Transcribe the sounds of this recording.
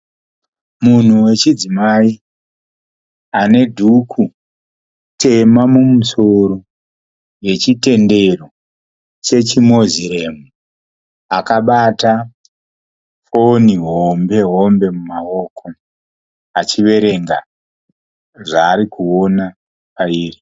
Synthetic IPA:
mun̤uwe̞t͡ʃid͡zimai | ane̞dʱukʰu | tʰe̞mamumuso̞ɾo̞ | je̞t͡ʃite̞nde̞ro̞ | t͡ʃe̞t͡ʃimo̞ziɾemu | akaɓata | fo̞niɦombe̞ɦo̞mbe̞mumao̞ːkʰo | at͡ʃiʋe̞ɾe̞ŋɡa̰ | ʐaːɾikuo̞na | paiːri

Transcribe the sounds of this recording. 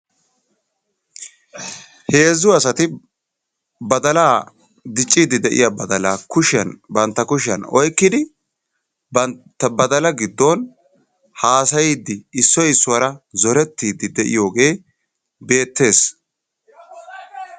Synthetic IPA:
he̞ːzʊɐsɐt̪ɪ | bɐd̪ɐlaː | d̪ɪt͡ʃʼːiːd̪ɪd̪ɛʔɪ̰jabɐd̪ɐlaːkʊʃɐnbɐnt̪ːɐkʊʃɪɐnɔ̰jkːɪd̪ɪ | bɐnt̪ːɐbɐd̪ɐlɐɡɪd̪ːon | haːsɐjiːd̪ɪːsːɔjɪsːʊwɐɾɐzɔɾɛt̪ːiːd̪ɪd̪ɛʔɪ̰jo̞ːɡe̞ː | be̞ːt̪ːe̞ːs

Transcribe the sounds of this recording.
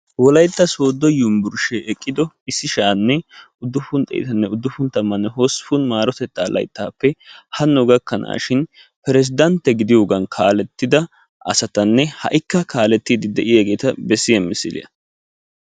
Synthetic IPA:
wɔlɐjt̪ːɐsoːd̪ːɔjʊmbʊɾʃeʔɛkʼːɪd̪ɔ | ɪsːɪʃaːnːɛ | ʊd̪ːʊfʊnt̪ʼɛ̰j̰t̪ɐnːɛʊd̪ːʊfʊnt̪ɐmːɐnːɛɦosfʊnmaːɾɔt̪ɛt̪ːaːlʔɐ̰jt̪ːaːpːɛhɐnːɔɡɐkːɐna̰ːʃɪn | pɛɾɛs̬ɪd̪ɐnt̪ːɛɡɪd̪ɪjo̞ːɡɐnkʰaːlɛt̪ːɪd̪ɐ | ʔɐ̰sɐt̪ɐnːɛhɐ̰ʔɪkːɐkaːlɛt̪ːiːd̪ɪd̪ɛʔɪjaːɡe̞ːt̪ɐbɛsːɪjɐmːɪsːɪd̪ɪ̰jɐ̰

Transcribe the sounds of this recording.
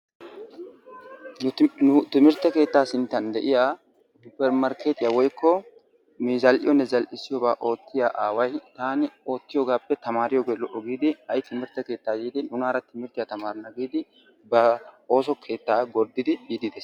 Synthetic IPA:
nʊt̪ɪmɪɾt̪ɐke̞ːt̪ːaːsɪnt̪ːɐnd̪ɛ̰ʔɪjaː | sʊpːɛɾmɐɾkeːt̪ɪjawɔjkʰːɔ | miːzɐlʔɪ̰jɔnːɛzɐlʔɪsːɪjɔːbaːʔo̞ːt̪ːɪjaːʔaːwɐjt̪aːnɪo̞ːt̪ːɪjɔːɡaːpːɛt̪ɐmaːɾɪjɔɡɛlɔʔɔɡiːd̪ɪɐjt̪ɪmɪɾt̪ːɐke̞ːt̪ːaːjiːd̪ɪnʊnaːɾɐt̪ɪmɪɾt̪ːɪjat̪ɐmaːɾɐnɐɡiːd̪ɪ | bɐo̞ːsɔkʰe̞ːt̪ːaːɡɔɾd̪ːɪd̪ɪbiːd̪ɪd̪ɛs

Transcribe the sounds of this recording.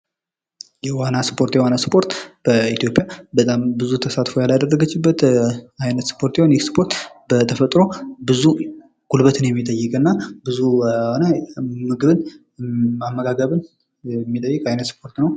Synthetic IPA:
jɛwanaspʰo̞ɾt̪jɛwanaspʰo̞ɾt̪b̥əit̪ʰjo̞pʼjabət̪ʼambɨzut̪ʰəsat̪fo̞jalad̪ərːəɡət͡ʃːɪbːət̪ajnət̪spʰo̞ɾt̪jɛhonjɛkspʰo̞ɾt̪bət̪ʰəfət̪ʼɾo̞bɨzu | ɡ̥ʰulbət̪ʰɨnjɛmːit̪ʼəjːɪkʼɨnːabɨzuwanamɨɡɨβɨn | mamːəɡaɡəβɨn | ɛmːit̪ʼəjːɨkʼajnət̪spʰo̞ɾt̪nəw

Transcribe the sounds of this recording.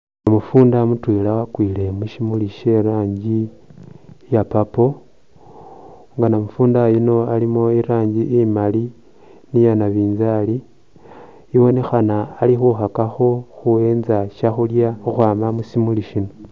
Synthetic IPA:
amufuːndamutwiːlawakwiːle̞muʃimuliʃe̞ɾaːɲɟi | japapo̞ | ŋɡanamufuːndajino̞alimoiɾaːɲɟiʔimali | nijanaβiːnzali | iwo̞nexanaːlixuxakaxo̞xue̞ːnzaʃaxuljaxuxwaːmamusimuliʃino

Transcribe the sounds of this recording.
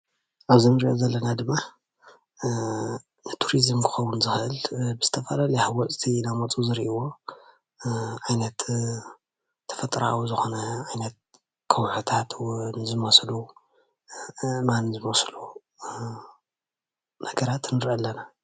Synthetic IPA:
ʔaβzinɨɾiʔo̰zɐlːɐnad̪ɨmːa | nɨt̪ʰuɾizmkʰɨ̥xɐwunzɨxɨʔɨlbɨz̥ɨt̪ʰɐfalalihawɔt͡sʼt̪ʰinamɐt͡sʼuzɨɾʔiwo̞ | ʕajnɐt̪ | t̪ʰːɐ̥fɐt̪ʼɾa̰wuzɨxo̞nɐʕajnɐt̪̚ | kʰɐwħut̪ʰat̪wnɨzɨmɐslu | manzɨmoslu | nɐɡɐɾat̪nɨɾʔɐlːɐna

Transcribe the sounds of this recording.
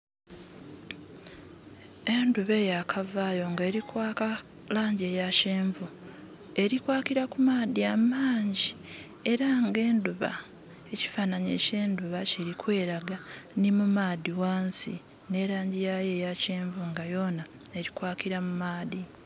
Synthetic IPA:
e̞nduβe̞ːjakʰavaːjo̞ŋɡeːɾikwaːka | laːɲɟejaceːɱvu | e̞ɾikwaːkiɾakumaːðiamaːɲɟi | e̞ɾaŋɡe̞ːnduβa̰ | e̞ci̥fanaɲḛce̞ːnduβaciɾikwe̞ːɾaɡanimumaːdiwaːnsḭ | ne̞ɾaːɲɟijajeːjaceːɱvuŋɡajo̞ːna | e̞ɾikwaːkiɾamumaːði

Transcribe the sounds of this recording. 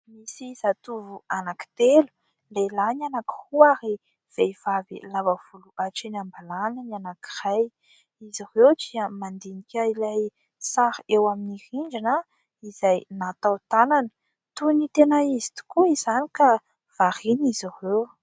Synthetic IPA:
misizat̪uvuanaki̥t̪elu̥ | lelanianaki̥huaɾi | v̥eiv̥avḭlavav̥uluʔaʈ͡ʂenambalanənianaki̥raj | izirewdiəmand̪inikʲailaj | saɾewaminihind͡ʒina | izajnat̪awt̪ananə̥ | t̪unit̪enaizi̥t̪u̥kuizanika | v̥aɾinizirew

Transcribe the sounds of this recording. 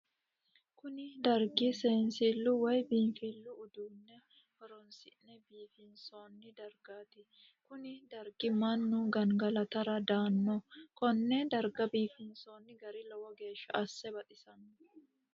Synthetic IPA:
kʊnɪd̪ɐɾɡɪseːnsilːʊwɐjbiːnfilːʊːd̪uːnːɛ | hɔɾɔnsɪnnɛbiːfɪnso̞ːnːɪd̪ɐɾɡaːt̪ɪ | kʊnɪd̪ɐɾɡɪmɐnːuɡɐŋɡɐlɐt̪ɐɾɐd̪aːnːɔkɔnːɛd̪ɐɾɡɐbiːfɪnso̞ːnːɪɡɐɾɪlɔwɔɡe̞ːʃːɐʔɐsːɛbɐt̪ʼɪsɐnːɔ

